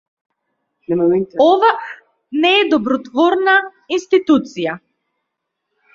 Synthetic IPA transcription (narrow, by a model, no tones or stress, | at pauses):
ɛɔva | nɛːd̪ɔbɾɔt̪vɔɾna | inst̪it̪ut̪sija